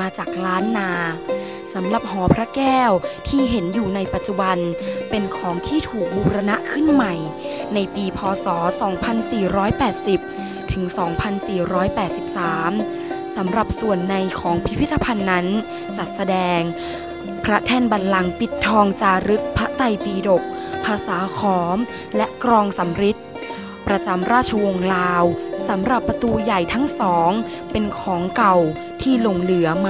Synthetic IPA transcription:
maː˧t͡ɕaː˨˩k̚laː˦˥nːaː˧ | sa˩˦mɾa˨˩p̚ɦɔː˩˦pʰɾa˦˥kɛː˥˩wt̪ʰiː˥˩ɦe˩˦njuː˨˩na˧jpa˨˩t̪̚t͡ɕu˨˩ba˧npe˧nkʰɔː˩˦ŋt̪ʰiː˥˩t̪ʰuː˨˩k̚buː˧ɾa˧na˦˥ʔkʰɯ˥˩nma˨˩j | na˧jpiː˧pʰɔː˧sɔː˩˦sɔː˩˦ŋpʰa˧nsiː˨˩ɾɔː˦˥jpɛː˨˩t̪̚si˨˩p̚ | t̪ʰɯ˩˦ŋsɔː˩˦ŋpʰa˧nsiː˨˩ɾɔː˦˥jpɛː˨˩t̪̚si˨˩p̚saː˩˦m | sa˩˦mɾa˨˩p̚su˨˩ənːa˧jkʰɔː˩˦ŋpʰi˦˥pʰi˦˥t̪ʰːa˧pʰa˧nːa˦˥n | t͡ɕa˨˩t̪̚sa˧dɛː˧ŋ | pʰɾa˦˥t̪ʰɛː˥˩nba˧nla˧ŋpi˨˩t̪ʰːɔː˧ŋt͡ɕaː˧ɾɯ˦˥k̚pʰa˦˥ʔt̪a˧˩jpiː˧do˨˩k̚ | pʰaː˧saː˩˦kʰɔː˩˦m | lɛ˦˥ʔkɾɔː˧ŋsa˨˩˦mɾi˦˥t̪̚ | pɾa˧t͡ɕa˧mɾaː˥˩t̪̚t͡ɕʰa˧wo˧ŋlaː˧wsa˩˦mɾa˨˩pːa˧t̪uː˧ja˨˩jt̪ʰa˦˥ŋsɔː˩˦ŋ | pe˧nkʰɔː˩˦ŋka˨˩w | t̪ʰiː˥˩lo˧ŋlɯ˩˦ɐm

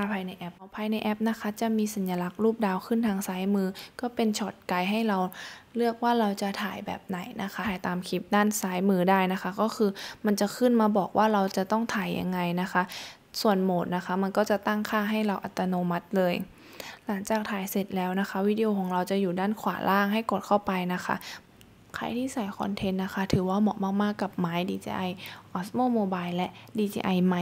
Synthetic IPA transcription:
a˥˩pʰaː˧jna˧jʔɛ˦˥p̚pʰaː˧jna˧jʔɛ˦˥p̚na˦˥kʰa˦˥t͡ɕa˨˩miː˧sa˨˩˦njaː˧la˦˥k̚ɾuː˥˩p̚daː˧wkʰɯ˥˩nt̪ʰaː˧ŋsaː˦˥jmɯː˧kɔː˥˩pe˧nt͡ɕʰɔː˨˩t̪̚ka˧jɦa˥˩jɾa˧wlɯ˥˩ək̚waː˥˩ɾa˧wt͡ɕa˨˩t̪ʰaː˨˩˦jbɛ̰ː˨˩p̚na˨˩˦jnʔa˦˥kʰa˦˥˩jt̪aː˨mkʰi˦˥p̚daː˥˩nsaː˨˦˥jmɯː˧daː˥˩jna˦˥kʰa˦˥kɔː˥˩kʰɯː˧ma˧nt͡ɕa˨˩kʰɯ˥˩nmaː˧bɔː˨˩k̚wʔaː˥˩ɾa˧wt͡ɕa˨˩t̪ɔ˥˩ŋt̪ʰaː˨˩˦jːa̰˧ŋːa˧jna˦˥xʰa˦˥ʔ | su˨˩ənmoː˨˩t̪̚na˦˥kʰa˦˥ma˧nkɔː˥˩t͡ɕa˨˩t̪a˥˩ŋkʰaː˥˩ɦa˥˩jɾa˧wʔa˨˧˩t̪ːa˧noː˧ma˦˥t̪̚lɤː˧j | la˨˩˦ŋt͡ɕaː˨˩k̚t̪ʰaː˨˩˦jse˨˩t̪̚lɛː˦˥wna˦˥kʰa˦˥ʔwi˦˥di˧ʔo˧kʰɔː˩˦ŋɾa˧wt͡ɕa˨˩juː˨˩daː˥˩nkʰwaː˩˦lʔaː˥˩ŋɦa˥˩jko˨˩t̪̚kʰa˥˩wpa˧jna˦˥kʰa̰˦˥ʔ | kʰa̰˧˩jt̪ʰiː˥˩saː˨˩˦jkʰɔ̰˧nt̪ʰe˧˥nːa˦˥kʰa˦˥t̪ʰɯː˩˦waː˥˩mɔː˨˩k̚maː˥˩k̚maː˥˩kːa˨˩p̚maː˦˥jdiː˧t͡ɕḭː˧ʔa˧jʔɔː˦˥smoː˥˩˨moː˧baː˧jllɛ˦˥ʔdiː˧t͡ɕḭː˧ʔa˧jma˧˩

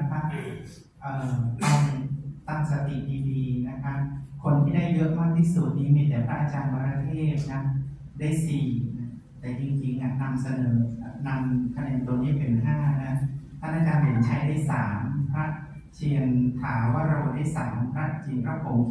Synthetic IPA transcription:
kʰa˦˥p̚ | ʔɤː˨˩t̪a˧wt̪a˥˩msa˧t̪i˨˩ʔdiː˧diː˧na˦˥kʰa˦˥pkʰo˧nt̪ʰiː˥˩da˥˩jːɤ˦˥ʔ̚ma˥˩k̚t̪ʰiː˥˩su˨˩t̪̚niː˧˥miː˧t̪ɛː˨˩pʰɾa˦˥t͡ɕa˧ŋwa˧ɾa˦˧˥t̪ʰeː˥˩p̚na˦˥ | daː˥˩jsiː˨˩n˥ | t̪ɛː˨˩t͡ɕi˧ŋt͡ɕi˧ŋna˦˥na˧msa˧nɤː˩˦˩na˧mk̪ʰa˧nɛ˧˨nt̪u˧əniː˦˥˨pʰe˨˩nɦaː˥˩na˦˥t̪ʰa˥˩naː˥˩kaː˧ne˨˩˦nt͡ɕʰa˦˥jda˥˩jsaː˩˦mpʰɾa˦˥ʔ | t͡ɕʰi˧əŋk̪ʰaː˩˦waː˥˩ɾa˧bwdaː˥˩jsaː˩˦mpʰɾa˦˥ʔ̚t͡ɕʰi˧ə˧ŋpʰɾa˦˥pʰo˨˦m

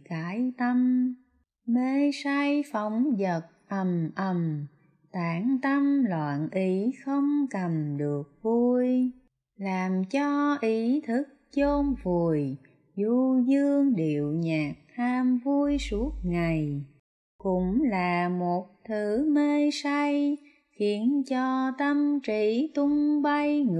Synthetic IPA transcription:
kaː˧˨˦jt̪ə˧m | me˧saː˧jfə˧˦wŋ͡mzə˨˩t̚ʔə˨˩mʔə˨˩m | t̪aː˨˧˦ŋt̪ə˧mlwa̰ː˧˨nʔi˨˦xə˧wŋ͡mkə˨˩mɗɨ˨˩ək̚vu˧j | laː˨˩mt͡ɕɔ˧ʔi˨˦t̪ʰɨ˦˥k̚t͡ɕo˧mvu˨˩əj | zu˧zɨ˧əŋɗḭ˨əwɲaː˨˩k̚haː˧mvu˧əjsu˦˥ət̚ŋa˨˩j | kʊ̰˧˥ŋ͡mlaː˨˩mo˨˩t̚t̪ʰɨ˨˦me˧jsa˧j | xi˨˦ənt͡ɕɔ˧t̪ə˧mt͡ɕi˧˩˦t̪ʊ˧ŋ͡mɓə˧jŋ

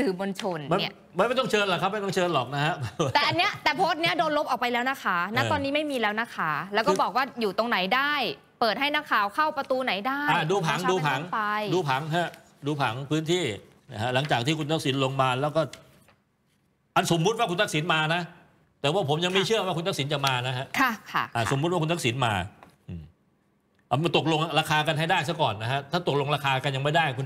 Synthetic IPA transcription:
sɯː˨˩mo˧nt͡ɕʰo˧nma˧˥˩ | ma˧˦nma˥˩t̪ɔ˥˩ŋt͡ɕʰɤː˧nla˨˩kʰa˦˥p̚ma˥˩jt̪ɔ˥ŋ˨t͡ɕʰɤː˧nlɔː˨˩k̚na˦˥kʰa˦˥t̪ɛː˨˩ʔa˧nːi˦˥ɐt̪ɛː˨˩pʰoː˦˥t̪̚ni˦˥ɐ˨doː˧nlo˦˥p̚ʔɔː˨˩wpa˧jlɛː˦˥wna˦˥˩kʰaː˦˥na˦˥ɔː˧nːiː˦˥ma˥˩jmiː˧lɛː˦˥wna˦˥kʰaː˩˦lɛː˦˥wkɔː˥˧˩bɔː˨˩k̚waː˥˩juː˨˩t̪o˧ŋna˨˩˦jdaː˥˩j | pɤː˨˩t̪̚ha˥˩jna˦˥kʰaː˨˩wkʰa˥˩wpɾa˧t̪uː˧na˩˦jdaː˥˩ʔaː˧˩duː˧pʰa˨˩˦ŋduː˧pʰa˨˩˦ŋa˧jduː˧pʰa˩˦ŋɦa˦˥ | duː˧pʰa̰˩˦ŋpʰɯː˦˥nt̪ʰiː˥˩ | na˦˥kʰa˦˥ʔla˩˦ŋt͡ɕaː˨˩k̚t̪iː˥˩ku˧nt̪ʰa˥k̚si˩˦nlo˧ŋmaː˧lɛː˦˥wkɔː˥˩ | ʔa˧nso˨˦mːu˦˥t̪̚waː˥˩kʰu˧nt̪ʰa˥k̚si˩˦nmaː˧na˦˥ʔ | t̪ɛː˨˩waː˥˩pʰo˩˦mja˧ŋma˥˩jt͡ɕʰɯ˥˩ɐwaː˥˩kʰu˧nt̪ʰa˥k̚si˩˦nt͡ɕa˨˩maː˧na˦˥ɦa˦˥ʔkʰa˥˩kʰa˥˩ʔaː˧˩so̰˨˩˦mu˦˥waː˥˩ku˧nt̪a˦˥k̚si˩˦nmaː˧ | ʔɯː˨˩m | ʔa˧t̪o˨˩k̚lo˧ŋɾaː˧kʰaː˧ka˧nɦa˥˩jdaː˥˩jsa˦˥kɔː˨˩nːa˦˥kʰa˦˥t̪ʰaː˥˩t̪o˨˩k̚lo˧ŋɾaː˧kʰaː˧ka˧nja˧ŋma˥˩jdaː˥˩jku˧n

